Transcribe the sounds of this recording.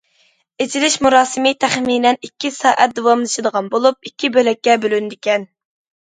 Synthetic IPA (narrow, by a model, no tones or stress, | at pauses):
ezʰilɪʃmuɾɑːsɨmɨt̪ʰæχminɛnikʲːisɑːʔæt̪̚d̪owɑmlˠɨʃɨd̪əʁɑnbolˠup̚ikʲːibølɛkʲːɛbølynd̪ɪkʲɛn